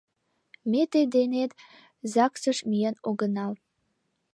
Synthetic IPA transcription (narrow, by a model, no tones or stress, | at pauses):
met̪ed̪enet̪ | zɑksəʃmijenoɡənɑl